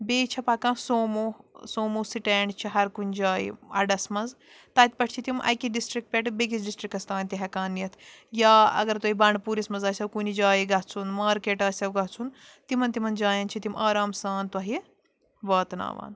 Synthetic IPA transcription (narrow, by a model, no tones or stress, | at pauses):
beːt͡ʃʰɐpaːkãːsoːmuːsoːmusiʈeːɳɖt͡ʃʰiɦɐɾkunʲd͡ʒaːḭɐɖɐsmɐz | t̪ɐːt̪̚ʲpɐʈʰt͡ʃʰit̪imʔɐ̰jkiɖisʈɾik̚ʈ̚pʲeʈbek̬it͡sʰɖisʈɾikːɐst̪ãːnt̪iɦɐkaːnːijɐt̪ʰjaːɐ̰ɡɐɾt̪ɐɦibɐɳɖpuːɾismɐzɐːsʲɐwkunid͡ʒaːjiɡɐɦt͡sʰunmaːɾkeːʈaːsʲɐwɡɐɦt͡sʰun | t̪imɐnt̪imɐnd͡ʒaːjɐnt͡ʃʰit̪imʔaːɾaːmsaːnt̪wɐɦi | bɐːt̪na̰ːʋa̰ːn